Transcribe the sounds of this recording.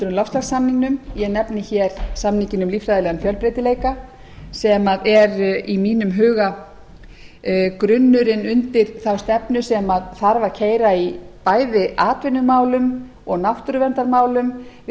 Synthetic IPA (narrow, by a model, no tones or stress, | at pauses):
t̪ʏɾʏmlɔfst̪aɣsamniŋnʏmjɛɣnɛpnɪçɛːɾ̥samnicɪnʏmlifɾajðɪlɛɣanfjœlpɾeːt̪ɪleːjka | sɛmaðɛɾimiːnʏmɦʏːɣa | kɾʏnːʏɾɪnʏnt̪ɪɾ̥θawst̪ɛpnʏsɛmaðθaɾvaɾ̥cʰeːjɾaipaːjðɪʔaːt̪vɪnːʏmaːwlʏm | ɔɣnaft̪ʏɾʏvɛnt̪aɾmaːwlʏmvɪ